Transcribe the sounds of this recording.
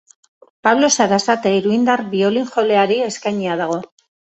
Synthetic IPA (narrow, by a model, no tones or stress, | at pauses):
paβlo̞saɾasat̪eiɾuind̪aɾbio̞liŋʝo̞le̞aɾie̞skajɲiað̞aɣ̞o̞